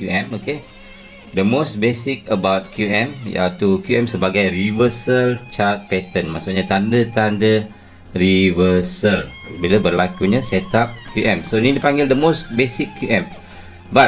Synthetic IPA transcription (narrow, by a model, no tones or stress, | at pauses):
kuɛ̃moke | d̪əmosbesik̚əbawt̚kʰjuɛ̃mja̰t̪ukjuʔɛmsəbaɡajrivəsəlt͡ʃat̪̚pɛt̪ənmaʔsʊʔɲat̪andət̪andə | rivəsəlbiləbərlakuɲasɛt̪ap̚kjuʔɛmsonĩdipaŋɡɪldəmosbesikʰːjuʔɛ̃m | ba